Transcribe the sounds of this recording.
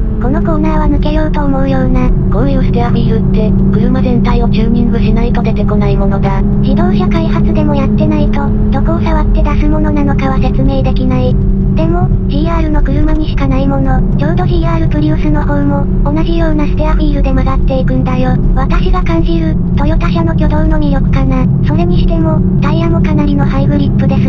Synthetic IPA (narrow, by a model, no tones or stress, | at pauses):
ko̞no̞ko̞ːnaːβ̞amɯ̟ke̞jo̞ɯt̪o̞ːmo̞ɯ̟jo̞ːna | kõjosɨ̥t̪eaɸʲiːɾɯ̟t̪ːe̞ | kɯ̟ɾɯ̟mazẽ̞nt̪aio̞t͡ɕɨːɲ̟ĩŋɡɯ̟ɕinait̪o̞d̪e̞t̪e̞ko̞naimo̞no̞d̪a | ʑid̪o̞ːɕakaihat͡sɨd̪e̞mo̞jat̪ːe̞nait̪o̞ | d̪̥o̞kɯːsaβat̪ːe̞d̪asɨmo̞no̞nano̞kaβ̞ase̞t͡sɨme̞ːd̪e̞kʲinai | d̪̥e̞mo̞ | ʑiːaːɾɯ̟no̞kɯ̟ɾɯ̟maɲ̟iɕi̥kanaimo̞no̞ | t͡ɕo̞ːd̪o̞ʑiːaːɾɯ̟pɯ̟ɾʲɯːsɨno̞hoɯmo̞ːnaʑijo̞ːnasɨ̥t̪eaɸʲiːɾɯ̟d̪e̞maɡat̪ːe̞ikɯ̟nd̪ajo̞ | β̞at̪aɕiɡakãɲ̟d͡ʑiɾɯ̟ | t̪o̞jo̞t̪aɕano̞kʲo̞d̪o̞ɯno̞ɲ̟ijo̞kɯ̟̥kanaiso̞ɾe̞ɲ̟iɕi̥t̪e̞mo̞ | d̪̥aiamokanaɾʲino̞haibɯ̟ɾʲipːɯ̟d̪e̞sɨ